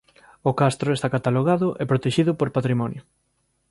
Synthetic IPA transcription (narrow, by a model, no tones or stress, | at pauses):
okast̪ɾʊest̪akat̪aloɣaðʊʔepɾot̪eʃiðʊpoɾpat̪ɾimɔnjʊ